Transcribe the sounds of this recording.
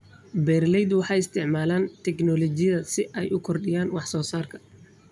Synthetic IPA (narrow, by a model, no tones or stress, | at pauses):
bɛːrlɛjd̪wɑħɑːjɪst̪ʰɪʕmaːlaːnt̪ʰɛknɔlɔt͡ʃɪjɐðɐsɪʔɛjʔʊkʰɔrɖɪjaːnwɑħsɔːsaːrkʰɐ̥